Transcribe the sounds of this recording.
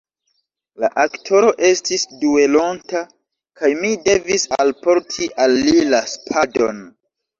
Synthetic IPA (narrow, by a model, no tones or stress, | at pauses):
laʔaktʰo̞ɾo̞ʔe̞stisdue̞lonta | kajmide̞visalpo̞ɾtʰiʔalːilaspʰado̞̰n